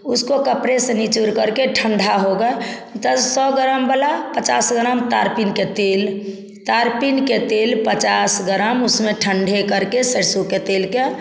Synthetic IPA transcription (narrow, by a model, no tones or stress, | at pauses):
uskokəpɾesenit͡ʃuɾkəɾkeʈʰəɳɖʱaɦoɡə | t̪əsɔɡəɾəmbəlapət͡ʃasɡəɾəmt̪aɾpinket̪el | t̪aɾpinket̪elpət͡ʃasɡəɾəmusmẽʈʰəɳɖʱekəɾkesəɾsuket̪elke